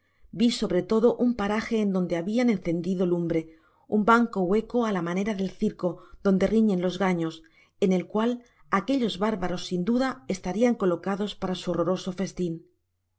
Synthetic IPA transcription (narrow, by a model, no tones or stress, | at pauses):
biso̞βɾe̞t̪o̞ðo̞ʔumpaɾaxe̞ːnd̪ond̪e̞aβianẽ̞nθe̞nd̪iðo̞lumbɾe̞ | umbaŋko̞we̞ko̞alamane̞ɾaðe̞lθiɾko̞ð̥o̞nd̪e̞riɲe̞nlo̞zɣaɲo̞s | e̞ne̞lkwal | ake̞ʎo̞zβaɾβaɾo̞sːind̪uðae̞st̪aɾiaŋko̞lo̞kaðo̞spaɾasuoro̞ɾo̞so̞fe̞st̪in